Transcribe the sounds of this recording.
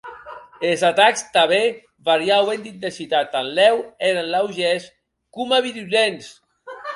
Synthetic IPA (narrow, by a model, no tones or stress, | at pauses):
elzat̪akst̪aβe | βaɾjawend̪int̪esit̪at̪anlɛweɾanlawʒes | kumaβiɾuʎens